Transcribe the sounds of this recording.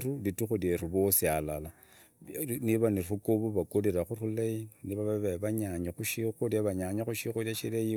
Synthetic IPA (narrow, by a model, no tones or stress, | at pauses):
rulituxuleruβosialala | niβanirukoβuβakoliɾaxurulainiβaβaβeβaɲaɲaxuʃixuɾaβaɲaɲaxuʃixuɾjaʃileji